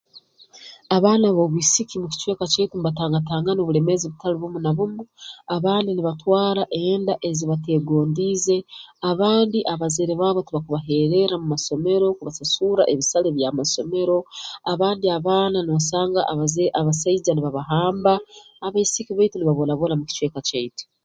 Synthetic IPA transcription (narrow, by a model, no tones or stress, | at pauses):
aβaːnaβo̞βuisikimuci̥t͡ʃwe̞ːkat͡ʃetumβataːŋɡataːŋɡanoβule̞me̞ziβutaliβumunaβumuaβaːndiniβatwaːɾaʔeːndaʔe̞ziβate̞ːɡo̞ːndiːze̞aβaːndiʔaβazeɾeβaːβotiβakuβaɦe̞ɾe̞ɾamumaso̞me̞ɾo̞kuβasasuɾa̰ʔeβisaleβjamaso̞me̞ɾo̞aβaːndiaβaːnaniβasaːŋɡa̰ʔβazeʔaβasaizaniβaβaɦaːmbaː | βaisikiβaituniβaβonaβolamuci̥t͡ʃwe̞ːkat͡ʃaitu̥